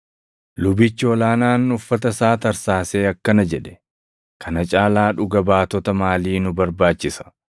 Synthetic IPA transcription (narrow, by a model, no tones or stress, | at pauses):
lʊbɪt͡ʃːɪɔlaːnaːnːʊfːɐt̪ɐsaːt̪ɐɾsaːse̞ːɐkːɐnɐd͡ʒɛᶑɛ̥ | kʰɐnɐt͡ʃʼaːlaːᶑʊɡɐbaːt̪ɔt̪ɐmaːliːnʊbɐɾbaːt͡ʃːɪsɐ̥